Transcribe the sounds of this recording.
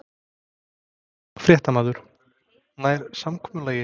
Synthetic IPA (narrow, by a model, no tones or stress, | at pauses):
fɾjɛːht̪amaːðʏɾ̥ | naːjɾ̥samkʰɔːmʏlaːjɪ